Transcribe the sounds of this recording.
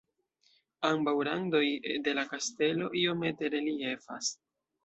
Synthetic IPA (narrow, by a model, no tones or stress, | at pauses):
ambawɾando̞jde̞lakaste̞lo̞ʔio̞me̞te̞ɾe̞lie̞fa̰s